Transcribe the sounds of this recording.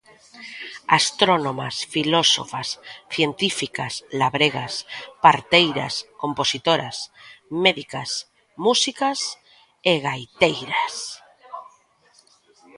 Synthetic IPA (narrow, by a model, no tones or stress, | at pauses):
ast̪ɾonoma̰sfiloso̰fasθje̞nt̪ifikaslaβɾeɣ̞aspaɾt̪ejɾa̰sko̞mposit̪oɾasmeðikas | musikas | eɣajt̪ejɾas